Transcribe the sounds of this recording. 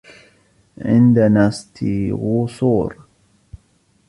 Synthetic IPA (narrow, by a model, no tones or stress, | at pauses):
ʕɪ̰nd̪anasˤt̪iɣusˤuːɾ